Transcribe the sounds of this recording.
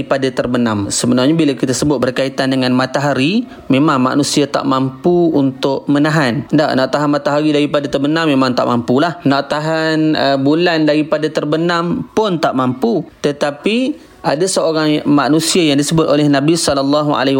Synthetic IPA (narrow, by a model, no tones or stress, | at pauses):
padat̪ərbənamsəbənarɲabilakit̪asəbʊt̪̚bərkait̪andəŋanmat̪aɦaɾi | memaŋma̰ʔnusiat̪a̰ʔmampuunt̪ʊʔ̚mənaɦanda̰ʔna̰ʔt̪aɦanmat̪aɦaɾidaɾipadat̪ərbənamːemaŋt̪a̰ʔmampulahnaʔt̪aɦanəbulandaɾipadat̪ərbənampʊnt̪aʔmamput̪ət̪api | ʔadasəoɾaŋmaʔnusiajaŋdisəbʊt̪ʔolɛhnabisɔlalːaɦua̰la